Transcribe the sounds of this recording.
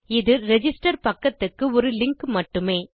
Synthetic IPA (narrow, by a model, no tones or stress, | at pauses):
ɪðɯɾɛd͡ʒɪsʈɐɾpɐkːɐt̪ːɯkːɯɔɾɯlɪŋkmɐʈːɯmeː